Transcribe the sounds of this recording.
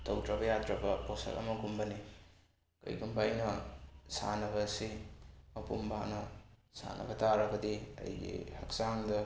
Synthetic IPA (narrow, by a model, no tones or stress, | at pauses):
tʰowdɾɐbɐjadɾɐbɐposɐ̰lʔɐ̰mɐɡumbɐni | kɯ̰jɡumbajnɐsa̰nɐβɐsimɐpumbanɐsa̰nɐ̰bɐtaɾɐɡɐdiɐ̰jɡḭhak̚saŋdɐ